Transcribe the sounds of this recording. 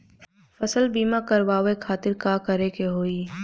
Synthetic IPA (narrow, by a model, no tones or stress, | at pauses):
fɐsəlbiːmakɐɾʋaːʋekʰaːt̪ɪɾkaːkəɾekeɦoːiː